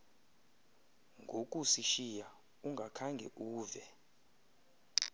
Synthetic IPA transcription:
ŋɡʱokʼusiʃija | uŋɡʱakʰaŋɡʱɛ̰ʔuːvɛ

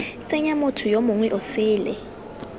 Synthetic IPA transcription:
t͡sʼɛɲamotʰʊjomʊŋwɛʔʊsɪːlɛ̰

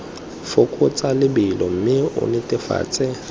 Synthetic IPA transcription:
fʊkʼʊt͡sʼalɪbɪlɔm̩mɪʊ̰nɪtʼɪfa̰ːt͡sʼɛ

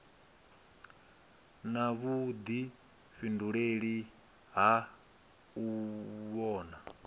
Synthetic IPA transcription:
naβud̪i | ɸinduɺeɺi | ɦa | uβɔːna

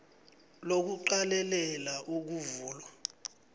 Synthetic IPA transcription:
lok̬uǃalɛlɛlaʔuk̬uvuːlwa

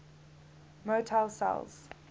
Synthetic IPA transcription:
motʰalsa̰lz̥

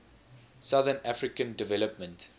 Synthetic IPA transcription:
saðənafɹikə̃ndɪvɛləpmə̃nt

